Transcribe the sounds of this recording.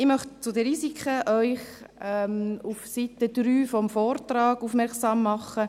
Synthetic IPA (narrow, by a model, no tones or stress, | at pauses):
ɪmœχtt͡sʊdəɾiːzikʰəʔœʏχ | ɛmufsitədɾyːfɔmfɔːrtrɑːɡ̥uːfmɛɾksɑːmːɑχə